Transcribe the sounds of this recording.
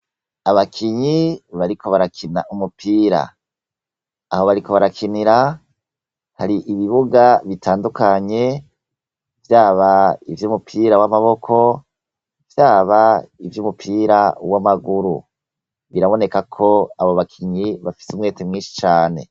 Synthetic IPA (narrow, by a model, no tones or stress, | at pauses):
aβakʰiɲiβaɾiko̞βaɾakʰina̰ʔumupʰiːɾa̰ | aho̞βaɾiko̞βaɾakʰiniɾa | haɾiʔiβiβuɡaβitʰaːndukaɲe̞ | vjaːβaivjuːmupʰiːɾawamaβo̞kʰo̞ | vjaːβaivjumupʰiːɾawamaɡuɾṵ | βiɾaβo̞ne̞kakʰo̞aβoβakʰiɲiβafi̥sumŋe̞ːtemŋiːnʃi̥t͡ʃaːne̞̰